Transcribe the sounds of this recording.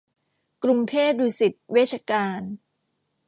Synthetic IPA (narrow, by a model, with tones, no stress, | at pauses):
kɾu˧ŋt̪ʰeː˥˩t̪̚ɾiː˧si˨˩t̪̚weː˥˩t͡ɕʰa˧kaː˧n